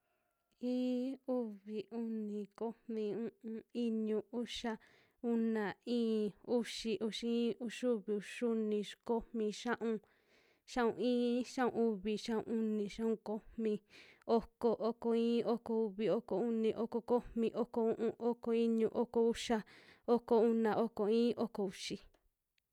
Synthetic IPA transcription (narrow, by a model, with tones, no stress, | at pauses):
ĩː˦u˦βi˨u˦nĩ˨ko˦mmĩ˧ũ˦ũ˧i˦ɲũ˧u˦ʃa˦ | u˦nã˨ĩː˦u˦ʂi˧ʔu˧ʃi˧˦ĩː˦u˧ʂu˦βi˨u˧ʂu˦nĩ˧ko˦hmmĩ˧ʃã˦ʔũ˧ | ʃã˦ṵ̃˧ĩː˦ʃã˦ṵ̃˧u˦βi˧ʃã˦ṵ̃˧u˦nĩ˧ʃã˦ũ˧ko˦hmĩ˧o˦ko˧ʔo˦ko˧ĩː˦o˦ko˧u˧βi˧o˦ko˧u˦nĩ˧ʔo˦ko˧ko˦mmĩ˧ʔo˦ko˧ũ˦ʔũ˧ʔo˦ko˧i˦ɲũ˧ʔo˦ko˧u˦ʃa˦o˦ko˧u˦nã˧˨ʔo˦ko˨ĩː˦ʔo˦ko˨u˨ʂi˧